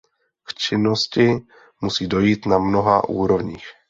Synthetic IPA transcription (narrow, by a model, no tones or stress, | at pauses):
kt͡ʃɪnoscɪ | musiːdo̞jiːt̪namno̞ɦaʔṵːɾo̞vɲiːx